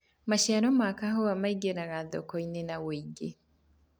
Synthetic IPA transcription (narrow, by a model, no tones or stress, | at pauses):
maʃiaɾɔmakaɦoamaiɡeɾaɣaðɔ̰kɔinenawoiɡe